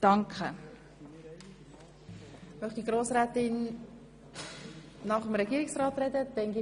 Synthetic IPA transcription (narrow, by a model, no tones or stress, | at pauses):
d̥ɑŋkχə | mœχd̥iɡɾoːsrɛːtɪn | ɑχəmɾɛɡiːɾɪksrɑːtrɛdəd̥ɛnɡi